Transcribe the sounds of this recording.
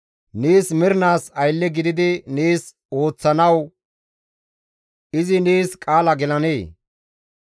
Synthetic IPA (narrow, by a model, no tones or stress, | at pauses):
neːsmɪɾɪnaːsɐjlːɛɡɪd̪ɪd̪ɪneːs | o̞ːt͡sːɐnɐw | ɪzɪneːskʼaːlɐɡɛlɐneː